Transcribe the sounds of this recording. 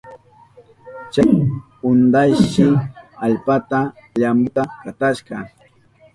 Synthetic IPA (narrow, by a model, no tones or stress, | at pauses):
t͡ʃaj | ʊnd̪ajʃɪaʎpat̪aʎambʊt̪akat̪aʃɢɑ